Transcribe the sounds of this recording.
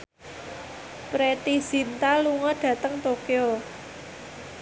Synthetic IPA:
pɾet̪iz̥int̪aluŋɔɖ̥ä̤t̪əŋt̪okeo

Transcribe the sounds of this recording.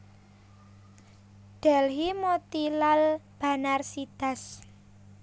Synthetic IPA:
ɖ̪̥ɛ̤lɦimot̪ilalb̥a̤narsid̪̥a̤s

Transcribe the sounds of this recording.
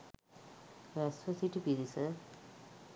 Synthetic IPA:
ɾɛsʋəsiʈipiɾisə

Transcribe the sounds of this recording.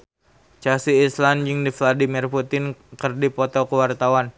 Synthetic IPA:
t͡ʃasiːsland͡ʒɨŋdifladimirput̪ɪnkərdipɔt̪ɔkəwart̪awan

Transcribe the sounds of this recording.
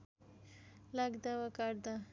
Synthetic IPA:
laɡd̪aʋakaɽd̪a

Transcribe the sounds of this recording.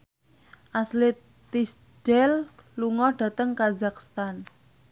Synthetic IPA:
ʔaslɪt̪ː | is | d̥ɛlluŋɔɖ̥ä̤t̪əŋkazakst̪an

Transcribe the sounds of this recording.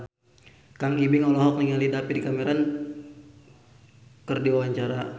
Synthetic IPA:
kaŋibɪŋɔlɔɦɔk̚niŋalidapidikameɾan | kərdiawaɲt͡ʃaɾa

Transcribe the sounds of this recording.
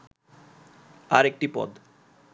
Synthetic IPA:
aɾek̚ʈipɔ̰d̪

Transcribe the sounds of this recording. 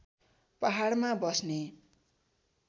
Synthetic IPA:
paɦaɽmabʌsne

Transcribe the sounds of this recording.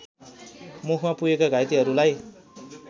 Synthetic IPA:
mukʰmapujekaɡʱajt̪iɦʌɾulaj

